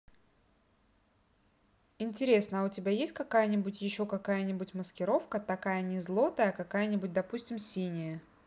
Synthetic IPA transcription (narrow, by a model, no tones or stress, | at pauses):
ɪnʲtʲɪɾʲe̞snəʊtʲɪbʲajesʲtʲkɐkajənʲɪbʊtʲjɪɕːo̞kɐkajənʲɪbʊtʲməskʲɪɾo̞fkət̪ɐkajənʲɪzlˠo̞t̪əjəɐkɐkajənʲɪbʊt̚ʲd̪ɐpusʲtʲɪmsʲinʲɪjə